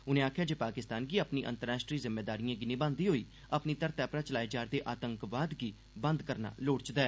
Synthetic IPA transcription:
ʊnẽːaːkʰjaːd͡ʒeːpaːkɪst̪aːnɡiːaːpniːʔə̰̃nt̪əɾaːʃʈɾiːzɪmːeːd̪aːɾijãːɡinɪ̃bãːnd̪iːɦoːiː | əapniːt̪əɾt̪aːpɾaːt͡ʃəlaːiːd͡ʒaːɾd̪eːʔaːt̪əŋkʋaːd̪ɡiː | bə̃nd̪kəɾna̰ːloːɽt͡ʃd̪aɛː

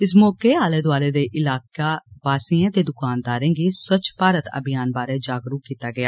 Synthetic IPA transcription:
ɪsmɔːkeːaːleːd̪ʊaːleːd̪eːʔɪlaːkaːʋaːsiːãːt̪eːd̪ʊkaːnd̪aːɾẽːɡiːswət͡ʃʰpaːɾət̪ə̰bɪjaːnbaːɾeːd͡ʒaːɡɾuːkiːt̪aːɡɪaː

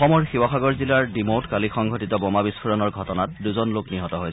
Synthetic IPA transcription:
ɔmɔɹxiwaxaɡɔɹzilaɹdimotkalixɔŋɡʱɔtitɔbɔmabispʰuɹɔnɔɹɡʱɔtɔnat̚duzɔnlokniɦɔtɔɦoj

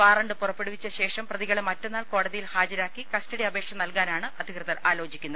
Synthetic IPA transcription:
ʋaːrɐɳɖɨpurɐpːe̞ɽuʋit͡ɕːɐɕe̞ːʂɐmprɐðiɣɐɭemɐtːenːaːɭko̞ːɽɐðijilhaːd͡ʑɐɾaːkːikɐstɐɽiɐbʱe̞ːkʂɐmnɐlkaːnaːɳɨʔɐd̪ʱikrɨðɐɾaːlo̞ːd͡ʑikʲːunːɐð

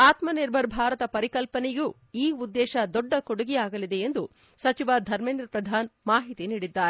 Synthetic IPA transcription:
aːt̪mɐniɾbʱɐɾbʱaːɾɐt̪ɐpɐɾikɐlpɐneɡuː | iːud̪ːɛːʃɐd̪ɔɖːɐkoɽuɡiaːɡɐlid̪e̞end̪u | sɐt͡ʃiʋad̪ʱɐɾmeːnd̪ɾɐpɾɐd̪ʱaːnmaːɦit̪iniːɽid̪ːaːɾe

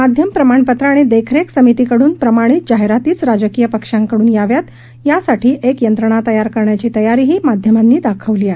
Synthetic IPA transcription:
mad̪ʱjəmpɾəmaɳpət̪ɾəaɽ̃ed̪ekʰɾeksəmit̪ikəɽuːnpɾəmaɽ̃it̪̚d͡ʑaɦeɾat̪iːt͡sɾad͡ʑəkijəpəkʂãŋkəɽuːnjaʋjat̪ | jasaʈʰiːʔekjənt̪ɾəɳ̃at̪əjaɾkəɾɳjat͡ɕiːt̪əjaɾiːɦiːmad̪ʱjəmanːiːd̪akʰəʋliːae

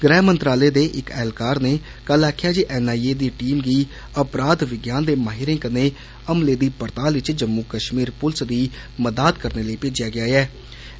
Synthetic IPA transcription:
ɡɾɛːɦmənt̪ɾaːleːd̪eːʔɪkɛːlkaːɾneː | kəlaːkʰɪjaːd͡ʒiːʔɛːnaːieːd̪iːʈiːmɡiː | əpɾaːd̪ʋɪɡjaːnd̪eːmaːɦɪɾẽːkəneː | əmleːd̪iːpəɾt̪aːlʋɪt͡ʃd͡ʒəmːuːkəʃmiːɾpʊlsd̪iː | məd̪aːt̪kəɾneːləiːpeːd͡ʒɪjaːɡɪjaːɛː

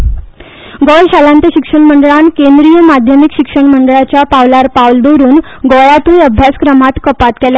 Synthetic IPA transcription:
ɡɔlɕalãnt̪əɕikʂəɳməɳɖəɭankẽnd̪ɾijəmad̪ʱjəmikɕikʂəɳməɳɖɭat͡ɕjapaʋlaɾpaʋld̪oɾuːn | ɡɔɭat̪uːnəbʱjaskɾəmat̪kəpat̪kɛla

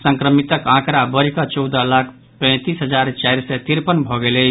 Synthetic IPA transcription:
sə̃ŋkɾəmit̪əkãkɾabəɾikat͡ʃɔwd̪əlakʰ | pə̃ɪ̃t̪isɦəd͡ʒaɾt͡ʃajɾset̪iɾpənbʱɔɡele

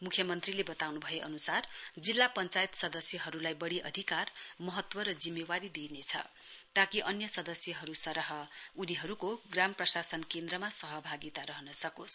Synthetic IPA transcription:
mukʰjʌmʌnt̪rilebʌt̪awnubʱʌjeʔʌ̰nusard͡zilːapʌnt͡sajt̪sʌd̪ʌsjʌɦʌɾulajbʌɽiʔʌd̪ʱikarmʌɦʌt̪wʌɾʌd͡zimːewaɾid̪inet͡sʰʌ̰ | t̪akiʔʌnjʌsʌd̪ʌsjʌɦʌɾusʌɾʌɦʌuniɦʌɾukoɡramprʌsasʌnkend̪ɾʌmasʌɦʌbʱaɡit̪aɾʌɦʌnʌsʌkos

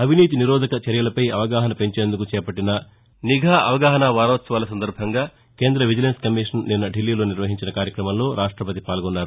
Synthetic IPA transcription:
ɐbʱiniːt̪iniɾɔːd̪ʱɐkɐt͡ʃɐɾjɐlɐpɐjɐʋɐɡaːɦɐnɐpe̞ɲt͡ʃeːnd̪ukut͡ʃɛːpɐʈːinɐ | niɡʱaːɐʋɐɡaːɦɐnaːʋaːɾɐːt̪sɐʋaːlɐsɐnd̪ɐɾbʱɐŋɡaː | ke̞ːnd̪ɾɐʋid͡ʒɐlenskɐmiːʂɐnninːɐɖilːiːlo̞ːniɾʋɐɦiɲt͡ʃinɐkaːɾjɐkɾɐmɐmlo̞ːɾaːʂʈɾɐpɐt̪̬ipaːlɡɔnːaːɾu

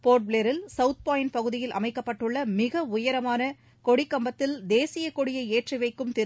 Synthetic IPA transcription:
poːʈ̚bleːɾɪlsɐʊt̪̚paːɪnpɐɣɯðɪjɪlʔɐ̰mɐɪkːɐpːɐʈːɯɭːɐmɪɣɐʊjɐɾɐmaːnɐ | kɔɽɪkːɐmbɐt̪ːɪld̪eːsɪjɐkɔɽɪjɐɪeːʈriʋɐɪkːɯmt̪ɪ

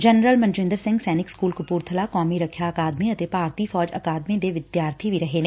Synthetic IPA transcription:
d͡ʒɐnɾəlmɐ̃nt͡ʃɾɪ̃nd̪əɾsɪ̃ŋɡsɛːnɪkskuːlkʊpuːɾt̪ʰəlakɔːmiɾɐkʰjaɐkaːd̪mĩɐt̪epaːɾt̪ifɔːd͡ʒɐkaːd̪mĩd̪eʋɪd̪jaːɾt̪ʰibʱiɾɐɦeːneː

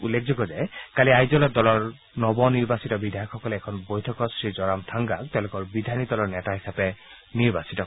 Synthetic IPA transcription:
ulːekʰzoɡɔzɛkaliajzɔlɔdɔlɔɹ | nɔbɔniɹbasitɔbidʱajɔxɔkɔlɛːkʰɔnbojtʰɔkɔsɹizɔɹamtʰaŋɡaktɛʊ̃lʊkɔɹbid̪ʱanidɔlɔɹnɛtaɦisapɛ | niɹbasitɔ

